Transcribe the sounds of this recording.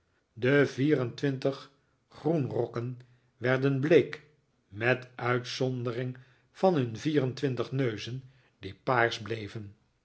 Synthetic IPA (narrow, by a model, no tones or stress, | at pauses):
dəviːrəntʋɪntəχ | χrunrɔkən | ʋɛɹdənbleːk | mɛtʔœɥtsɔndərɪŋ | v̥ɑnɦɵnviːrəntʋɪntəχnøɥzən | dipaːɹzblejvən